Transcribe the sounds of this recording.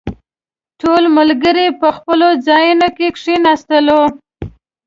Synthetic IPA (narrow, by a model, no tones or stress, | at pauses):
ʈolməlɡəɾepəxpəlod͡zɑjunokekʂinɑst̪əlo